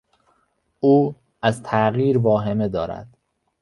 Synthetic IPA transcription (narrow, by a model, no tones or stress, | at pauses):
ʔuː | æzt̪ʰæɣiːɾvɒːɦe̞med̪ɒːɾæ̰d̪̥